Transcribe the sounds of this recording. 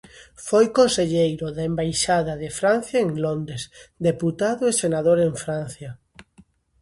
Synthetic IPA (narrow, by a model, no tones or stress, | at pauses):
fojkonseʎejɾʊðembajʃaðɐðɪfɾan̟θjaeŋlond̪ɾesd̪eput̪aðʊesenaðoɾeɱfɾan̟θjɐ